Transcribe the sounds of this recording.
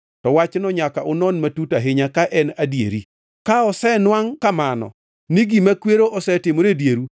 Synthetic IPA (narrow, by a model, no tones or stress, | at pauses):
tɔwat͡ʃnɔɲakaʔʊnɔnmatutaɦɪɲakaʔɛnadjḛɾi | kaɔsɛnwaŋkamanɔ̰ | niɡimakweɾoʔɔsɛtɪmoɾedjeɾu